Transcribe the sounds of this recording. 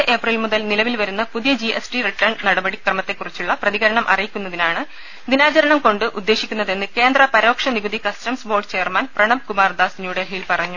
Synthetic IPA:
ʔe̞prilmuðɐlnilɐʋilʋɐɾunːɐpuðijɐd͡ʑiʔesʈiriʈːɐrɳnɐɽɐbɐɽikrɐmɐt̪ːe̞kːurit͡ɕːuɭːɐprɐðiɣɐɾɐɳɐmʔɐ̰rijikʲːun̪ːɐðinaːɳɨ | d̪inaːt͡ɕɐɾɐɳɐmko̞ɳɖɨʔud̪ːe̞ːʂikʲːunːɐðe̞nːɨke̞ːnd̪rɐpɐɾo̞ːkʂɐniɡuðikɐstɐmsbo̞ːrʈt͡ɕe̞jɐrmanprɐɳɐmkumaːrd̪aːsnjuːɽelɦiːlpɐrɐɲːu

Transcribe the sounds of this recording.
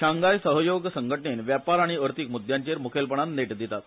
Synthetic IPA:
ɕʰaŋɡajsəɦəjoɡsəŋɡʱəʈɳenʋjapaɾaɽ̃iəɾt̪ikmud̪ʱjaɲt͡ɕeɾmukʰelpəɳ̃anːeʈd̪it̪at̪

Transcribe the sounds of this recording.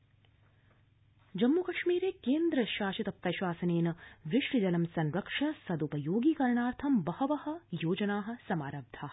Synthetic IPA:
d͡ʒɐmːukɐʃmiːɾeːkeːnd̪ɾɐʃaːʃit̪ɐp̚t̪ɐʃʋaːsɐneːnɐʋiʂɾid͡ʒɐlɐmsɐnɾɐkʂɐsɐd̪upɐjoːɡiːkɐɾɐɳaːɾt̪ʰɐmbɐhɐʋɐhɐ̆joːd͡ʒɐnaːɦɐ̆sɐmaːɾɐb̚d̪ʱaː

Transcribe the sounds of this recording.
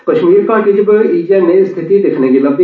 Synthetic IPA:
kɐʃmiːɾkaːʈeːd͡ʒbəoʔiːijanẽst̪ʰɪt̪id̪ekʰnekilɐb̚d̪

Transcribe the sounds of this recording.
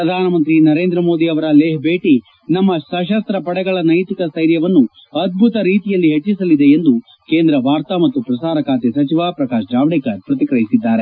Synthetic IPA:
pɾɐd̪ʱaːnɐmɐnt̪ɾinɐɾeːnd̪ɾɐmo̞ːd̪iɐʋɐɾɐleːɦbeːʈi | nɐmːɐsɐʃɐst̪ɾɐpɐɽɛɡɐɭɐnɐjt̪ikɐsɐjɾjɐʋɐnːu | ɐd̪̚bʱut̪ɐɾiːt̪ijɐlːiɦet͡ʃːisɐlid̪eend̪u | ke̞ːnd̪ɾɐʋaːɾt̪amɐt̪ːupɾɐsaːɾɐkaːt̪esɐt͡ʃiʋaːpɾɐkaːʃd͡ʒaːʋɽekɐɾpɾɐt̪ikɾɐjisid̪ːaːɾe̞

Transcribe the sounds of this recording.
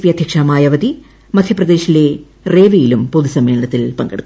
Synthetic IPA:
ʋijɐd̪ʱjɐkʂɐmaːjɐʋɐd̪i | mɐd̪ʱjɐprɐd̪e̞ːɕile̞ | reːʋijilumpoðusɐmːe̞ːɭɐɳɐt̪ːilpɐŋɡeɽukː

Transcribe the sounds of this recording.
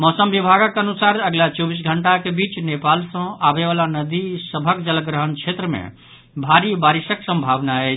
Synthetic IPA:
mɔːsəmbibʱaɡəkənusaɾəɡlat͡ʃɔbis̬ɡʱəɳʈakebiːt͡ʃnepalsə̃abeʋaːlanəd̪isəbʱəkd͡ʒələkɡɾəɦənkʰet̪ɾəmḛ̃ | bʱaɾibaɾisəksə̃mbʱaʋnaɛ

